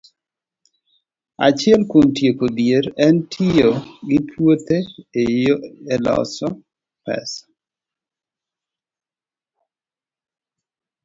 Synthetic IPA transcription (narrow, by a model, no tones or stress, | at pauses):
a̰t͡ʃɪɛlkontjekod̪jeɾɛntʰijoɡɪpʰwot̪ʰeejoɛlɔ̰sɔ | pɛ̰sḁ